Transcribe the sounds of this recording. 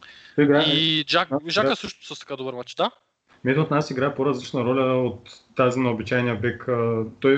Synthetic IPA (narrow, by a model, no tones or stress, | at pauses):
t̪ɔiɡɾaɛiʒaʒakəsəʃt̪ʊsəst̪ɐkad̪obəɾmat͡ʃd̪a | mɛt̪ɛot̪nasiɡɾaɛpoɾɐzlʲit͡ʃnɐɾɔlʲɐot̪ːazinɛobit͡ʃajnijəbɛkət̪ɔj